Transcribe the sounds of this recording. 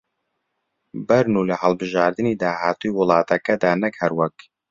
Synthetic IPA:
bɐɾnulɐhɐlˠbɨʒaːɾd̪ɨniːd̪aːhaːt̪ujwʊlˠɑːt̪ʰɐkɐd̪aːnɐkhɐɾwɛk

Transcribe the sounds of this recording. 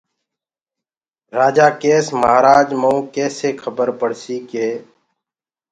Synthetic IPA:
ɾaːd͡ʒaːkeːsmaːɾaːd͡ʒməũːkɛːseːkʰəbəɾpəɽ̤siːkeː

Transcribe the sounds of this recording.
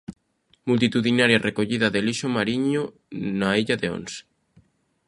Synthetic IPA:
mult̪it̪uðinaɾjarʔekoʎiðaðeliʃomaɾiɲo | naiʎaðeo̰ns

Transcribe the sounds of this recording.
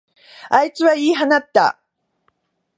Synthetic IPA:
ajt͡sɨβaiːɦanat̪ːa̰

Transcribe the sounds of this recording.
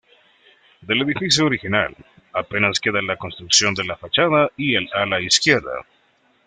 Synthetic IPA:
d̪e̞le̞ðifisjooɾixina̰l | ape̞naske̞ðanlako̞nst̪ɾuksjo̞nd̪e̞lafat͡ʃaðaielalaiskje̞ɾða̰

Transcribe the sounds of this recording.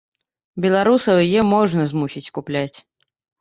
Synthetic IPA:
bʲɛlˠaɾusɐwjjɛmɔʐnɐzmusʲit͡sʲkuplʲat͡sʲ

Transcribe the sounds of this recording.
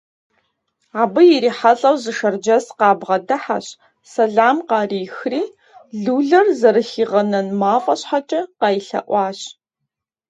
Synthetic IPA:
aːbɨjɪɾiːħaɬʼɐwzɨʃɐrd͡ʒɐsqɑːbʁɐdɐħa̰ɕ | sɐɮaːmqɑːriːxriː | ɮuːɮɐrzɐɾɨxiːʁɐnɐnmaːfʼɐɕħat͡ʃʼɐqɑːjiɬɐ̰ʔʷɑːɕ

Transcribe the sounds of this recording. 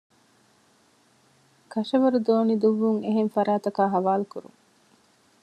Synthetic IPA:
kɐʃɐʋɐɾud̪oːnid̪uʋːuŋeɦenfɐɾaːt̪ɐkaːɦɐʋaːlukuɾṵŋ

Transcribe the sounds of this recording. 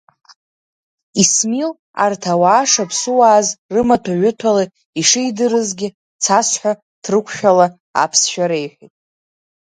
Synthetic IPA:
ismil | a̰rtʰawaːʂapʰsuwaːzrɨmatʰaʕʷʏtʰala | iʂɨjdɨɾɨzɡʲɪ | t͡sʰasħʷᶣa | tʰrɨkʷʰʃᶣala | a̰pʰsʃᶣaɾe̞jħʷᶣitʼ

